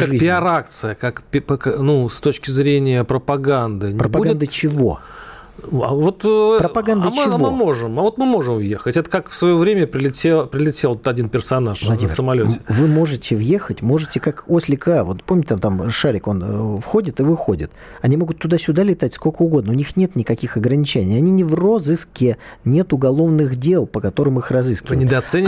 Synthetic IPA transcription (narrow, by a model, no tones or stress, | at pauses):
kaʐkɨzʲpʲɪɐɾakt̪sɨjəkakpʲpknust̪ot͡ɕkʲɪzɾʲenʲɪjəpɾəpɐɡand̪ɨnʲpɾɪɾəbpauɡʲɪnd̪ət͡ɕɪvo̞̰ | a̰vo̞t̪pɾəpɐɡand̪mt͡ɕɪvoɨmo̞ʐɨmavo̞t̪mɨmoʐɨmvje̞xətʲɛt̪əkakfsvɐjovɾʲemʲəpɾʲɪlʲɪtʲepɾʲɪlʲɪtʲelˠt̪t̪ɐdʲinpʲɪrsɐnaʂvəlˠɐimmʲsəmɐlʲovɨmo̞ʐɨtʲɪvje̞xətʲmo̞ʐɨtʲɪkako̞sʲlʲɪkavo̞t̪pomʲɪtʲɪt̪amt̪amʂaɾʲɪko̞nfxo̞dʲɪt̪ɨvɨxodʲɪt̪ | ɐnʲimo̞ɡʊt̪ːʊd̪asʲʊd̪alʲɪt̪atʲskolʲkəʊɡo̞d̪nəʊnʲixnʲe̞t̪nʲɪkɐkʲixɐɡɾənʲɪt͡ɕænʲɪijɐnʲinʲɪvrozɨskʲɪnʲe̞t̪ʊɡɐlˠo̞vnɨɣdʲe̞lˠpəkɐt̪o̞ɾɨmɨxrɐzɨskʲɪvnʲɪd̪ɐt̪sɛnʲ